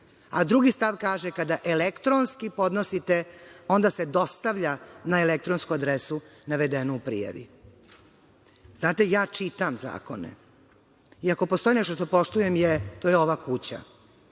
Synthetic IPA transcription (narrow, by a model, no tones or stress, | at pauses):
ad̪ɾuɡist̪aʋkaːʒekad̪aʔelekt̪ɾonskipo̞d̪nosit̪eo̞nd̪ase̞d̪o̞st̪aʋʎanaelek̚t̪ɾonskuad̪ɾesunaʋed̪enuupɾḭja̰ʋḭ | znaːt̪ejaːt͡ʃit̪amza̰ːko̞̰nḛ | iako̞post̪o̞jinɛʃt̪oʂt̪opo̞ʂt̪ujemjet̪ojeo̞ʋakut͡ɕa̰